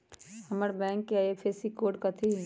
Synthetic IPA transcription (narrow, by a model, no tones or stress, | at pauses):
hɐməɾbɛ̃ːŋkːeaeːpʰeːsikoːɖkɐt̪ʰi